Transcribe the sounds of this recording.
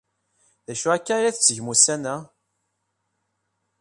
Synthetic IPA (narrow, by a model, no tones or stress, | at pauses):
ðæʃuækːaɾaθət͡sːəʝmusænæ